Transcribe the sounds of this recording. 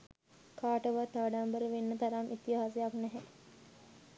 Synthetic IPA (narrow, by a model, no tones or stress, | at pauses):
kaːʈəʋat̪ːaːɖambəɾəʋenːət̪aɾamʔit̪ːiɦaːsejaknɛɦɛ